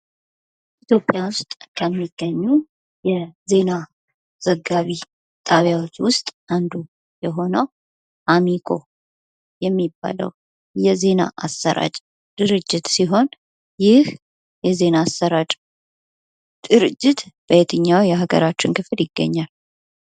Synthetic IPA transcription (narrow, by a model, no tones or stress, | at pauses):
it̪jo̞pʼjawʊst̪ʼkʰəmːiɡ̥ːəɲːu | jɛze̞na | z̥əɡːaβi | t̪ʰʼaβjawo̞t͡ʃːwʊst̪ʼʔand̪u | jɛɦo̞nəw | ʔamikʰo̞ | jɛmːibːa̰lə̰w | jɛze̞na̰ʔasːəɾʔa̰t͡ʃʼ | d̪̥ɨɾɨd͡ʒːɪt̪siɦo̞n | jɪh | jɛze̞naːsəɾat͡ʃʼ | d̪̥ɨɾɨd͡ʒːɪt̪b̥əjet̪ʰɨɲːawjɛɦaɡə̰ɾat͡ʃːɪnkɨfljɪɡːə̰ɲːal